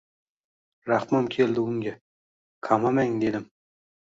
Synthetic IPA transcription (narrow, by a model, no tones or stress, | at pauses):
ɾaχmamkʲʰe̞ld̪ɪʊŋɡʲa | kʰamamaŋd̪e̞d̪ɪm